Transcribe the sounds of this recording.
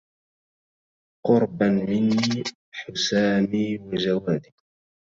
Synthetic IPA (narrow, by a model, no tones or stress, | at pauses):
qʊɾˤbanmɪnːiː | ħʊsaːmiːwad͡ʒawaːd̪i